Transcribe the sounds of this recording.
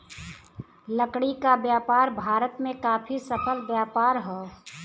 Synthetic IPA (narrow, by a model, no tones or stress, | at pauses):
ləkɽikabjaːpaːɾbʱaːɾət̪mẽkaːpʰisəpʰəlbjaːpaːɾɦɛː